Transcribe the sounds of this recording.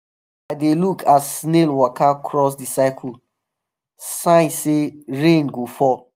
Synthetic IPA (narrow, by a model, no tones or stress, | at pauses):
aɪdelukʰatsnelwɔkʰakʰɹɔs̬disaɪkʰul | sãɪ̃nseɹẽnɡofɔ